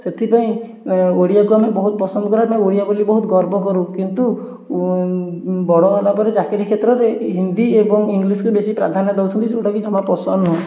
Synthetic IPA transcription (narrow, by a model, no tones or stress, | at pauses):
set̪ʰipaĩ | oɽijakuamebɔɦut̪̚pɔsɔnd̪ɔkɔɾaɾepmaeoɽijabolibɔɦut̪ɡɔɾbɔkɔɾukint̪u | bɔɽɔalapɔɾed͡ʒakeɾikʰet̪ɾɔɾeɦind̪iebɔŋiŋɡliskubesipɾa̰d̪ʱanɔd̪ewt͡ʃʰɔnt̪it͡ʃʰuʈakid͡ʒɔmapɔsɔnɔ